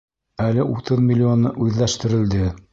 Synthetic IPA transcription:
ælɘʔut̪ɤðmʲɪlʲːionːɤʔʉðlæʃt̪ɘ̆ɾɘ̆ld̪ɘ

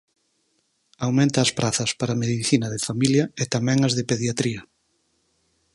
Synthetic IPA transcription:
awmẽnt̪ɐːspɾʔaθɐspaɾɐameðiθinɐðɪfamiljɐet̪amɛ̃ŋɐzðɪpeðjat̪ɾiɐ

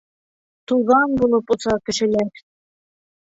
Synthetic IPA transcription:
t̪uʁɑnbulˠɤpŏsɑkɘ̆ʃɘ̆læɾ

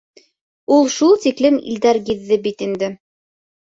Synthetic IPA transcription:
ulˠʃulˠt̪iklɘmḭld̪æɾɡiðːɘbit̪ind̪ɘ

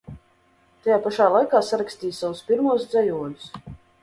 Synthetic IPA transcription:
t̪ajaːpaʃaːlˠajkaːsaɾaksʲt̪ʲiːjsawuspiɾmuɔsd̪zɛjuɔd̪u̥s

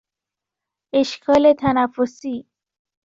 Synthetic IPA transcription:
eʃkʰɒːlet̪ʰænæfːosiː

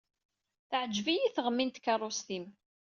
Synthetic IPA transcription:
θəʕəd͡ʒːvijiθʁəmːint̪kːɑrˤːost̪im

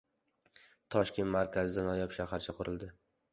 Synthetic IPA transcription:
t̪ʰɒʃkʲe̞nt̪maɾkʲazɪd̪anɒjɒpʃaɦaɾt͡ʃʰaqʰʊɾɪld̪ɪ

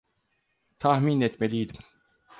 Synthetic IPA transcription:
t̪ʰahminɛt̪melʲijd̪im

